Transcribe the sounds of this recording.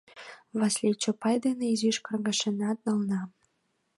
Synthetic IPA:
βɑsʲlʲet͡ɕŏpɑjd̪eneiziʃkɤ̆rɡɑ̆ʃĕnɑt̪̚nɤ̆lnɑ

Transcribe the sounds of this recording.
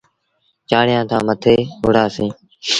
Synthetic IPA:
t͡ʃaːɳɪjãːt̪ʰãːmət̪ʰeːɦʊɽaːsĩː

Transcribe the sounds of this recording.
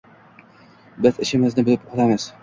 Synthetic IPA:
bɪzɪʃɪmɪznɪbɪlɪp̚qʰɒt̪amɪz̥

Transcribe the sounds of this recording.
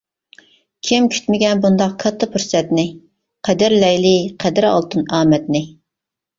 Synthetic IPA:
kʲʰimkʲʰy̥t̪mɪɡʲɛnbund̪ɑq̚kʰɑt̪ʰːɑpʰuɾsɛt̪nɪ | qʰæd̪ɪɾlɛjlɪqʰɛd̪ɪɾɑ̰lˠt̪ɨnɑːmɛt̪nɪ

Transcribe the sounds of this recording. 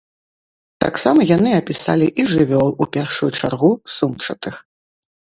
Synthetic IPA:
t̪a̰ksamɐjanɨɐpʲisa̰lʲiʔiʐɨvʲɔlˠupʲɛrʂujut͡ʂarɣusumt͡ʂɐt̪ɨx

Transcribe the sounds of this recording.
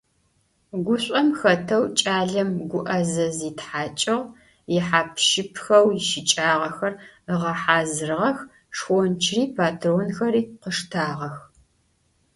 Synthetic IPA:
ɡʷʊɕʷʼɐmxɐtʰɐwt͡ʃʼaːɮɐmɡʷʊʔɐzɐziːtħaːt͡ʃʼɐʁ | jɪħaːpʰʃɪpʰxɐwjɪʃɪt͡ʃʼaːʁɐxɐrəʁɐħaːzɨrʁɐx | ʂxʷɔnt͡ʃʰriːpʰaːtʰroːnxɐɾiːqəʂtʰaːʁɐx

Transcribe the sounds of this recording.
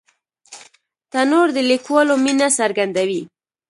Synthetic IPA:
t̪anoɾd̪əlikwalominasaɾɡand̪awi

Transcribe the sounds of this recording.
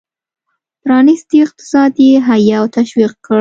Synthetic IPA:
pɾɑnist̪iɪq̚t̪ɪ̥sɑd̪jeɦajawt̪aʃwiq̚kːəɽ

